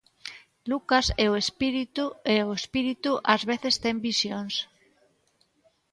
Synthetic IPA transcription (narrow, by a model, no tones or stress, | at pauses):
lukaseoespiɾit̪ueoespiɾit̪uʔazβeθest̪embisjoŋs